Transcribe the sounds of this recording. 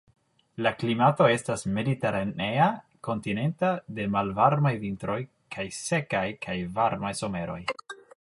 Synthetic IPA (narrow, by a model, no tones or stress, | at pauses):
laklimato̞e̞stasme̞dite̞ɾane̞a | ko̞ntine̞ntade̞malvaɾmajvintɾo̞j | kʰajse̞kajkʰajvaɾmajso̞me̞ɾo̞j